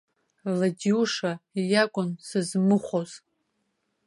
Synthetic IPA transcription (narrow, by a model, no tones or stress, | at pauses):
ladiuʂaijakʷʼʊnsɨzmɨχʷoz̥